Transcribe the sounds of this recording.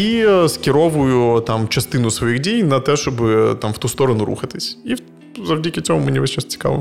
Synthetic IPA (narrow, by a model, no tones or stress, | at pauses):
iskʲɪɾɔʋʊjʊt̪amt͡ʃɐst̪ɪnʊsʋɔjixdʲijnɐt̪ɛʃt͡ʃɔbɪt̪amft̪ust̪ɔɾɔnʊɾṵxɐt̪ɪsʲi | zɐwdʲikʲɪt͡sʲɔɦɔmɪnʲiʋɐst͡ʃɛst͡sʲɪ̥ka̰lˠɪ̰